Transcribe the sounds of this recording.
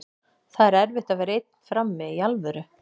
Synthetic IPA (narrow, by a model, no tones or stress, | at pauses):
θaðɾɛɾvɪht̪avɛɾejt̪̚n̥fɾamːɪialvœɾʏ